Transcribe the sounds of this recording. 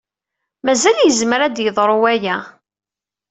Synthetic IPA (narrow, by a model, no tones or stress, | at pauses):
mæzæljəzməɾæd̪jəðˤɾˤoæjæ